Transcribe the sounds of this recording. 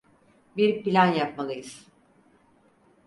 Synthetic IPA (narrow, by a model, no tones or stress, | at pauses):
biɾpilʲanjap̚malˠɯjɯz̥